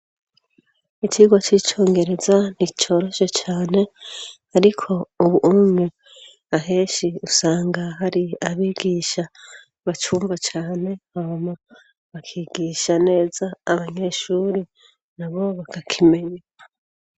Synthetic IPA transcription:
iciɡwat͡ʃiːt͡ʃo̞ːŋɡe̞ɾe̞zan̥it͡ʃo̞ːɾoʃe̞t͡ʃaːne̞haɾikʰo̞uβuʔumŋe | aɦe̞ːʃiusaːŋɡaɦaɾiaβiːɡiːʃa | βat͡ʃuːmbat͡ʃaːne̞hahoma | βakʰiːɡiːʃane̞ːzaːβaɲe̞ʃuːɾi | naβo̞βakakʰime̞ɲa

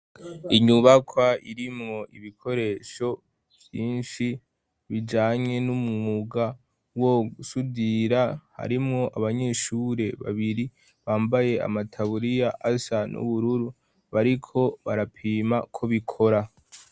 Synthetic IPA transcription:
iɲuβakʰwaiɾimŋo̞ʔiβikʰo̞ɾe̞ːʃo̞ | v̥jiːnʃi | βid͡ʒaːɲe̞numuŋuɡa | woɡusudiɾaha̰ɾimŋo̞ʔaβaɲe̞ʃuɾe̞βa̰βiɾi | βaːmbaje̞a̰matʰaβuɾijaʔasanṵβuɾuɾu | βaɾikʰo̞βaɾapʰiːmakʰo̞βikʰo̞ɾa

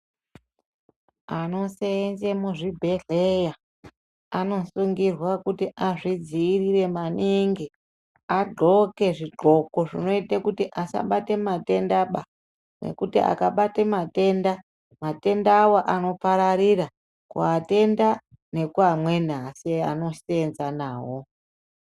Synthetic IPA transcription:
ano̞seenzemuʐibʱe̞ɮeja | ano̞suŋɡirwakutiʔaʐid͡ziːrire̞maniŋɡi | aɡ͡ǃʱo̞ke̞ʐiɡ͡ǃʱo̞ko̞ʐino̞itekutiʔasa̰ɓate̞mate̞ndaɓa | ne̞̰kutia̰kaɓatemate̞nda | mate̞ndaːwo̞ʔano̞paɾaɾira | kṵate̞nda | ne̞kuamwe̞nasia̰no̞senzanaːwo̞

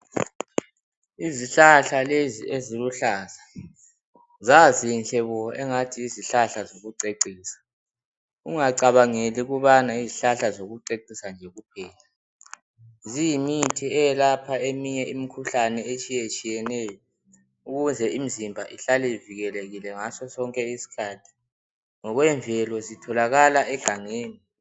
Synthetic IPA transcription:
iziɬaɬalezḭeziluɬaza | zazinɬɛβɔɛŋatʰiːziɬaɬazoɣuǀeǀiːsḁ | ṵŋaǀaβaŋeliɣuβanaiziɬaɬazoɣuǀeǀisand͡ʒʱɛɣupʰɛːla | zimitʰiɛjɛlapʰaemiɲɛimikʰuɬanɛet͡ʃʼijet͡ʃʼijɛnɛjɔ | uɣunzʱɛimizimbʱaʔiɬalɛiviɣɛleɣilɛŋasɔsɔŋkʼɛisi̥kʰaːtʰi̥ | ŋɔɣwɛɱvʱɛlɔzitʰɔlaɣalaɛɮaŋeːni

